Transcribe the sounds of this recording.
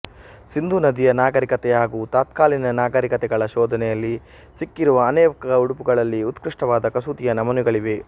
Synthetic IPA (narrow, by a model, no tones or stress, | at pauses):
sind̪ʱunɐd̪ijɐnaːɡɐɾikɐt̪ɛɦaːɡuːt̪aːt̪kaːlinɐnaːɡɐɾikɐt̪ɛɡɐɭɐʃɔːd̪ʱɐnɛjɐlːi | sikːiɾuʋɐːneːɐkɐɐuɽupuɡɐɭɐlːiut̪kɾiʂʈɐʋaːd̪ɐkɐsuːt̪ijɐnɐmɐnuɡɐɭiʋe̞